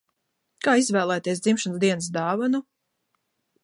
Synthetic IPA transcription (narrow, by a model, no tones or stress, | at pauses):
kaːizvæːlˠɛːt̪iɛsd̪zimʃansd̪iɛnsd̪ɑːvanu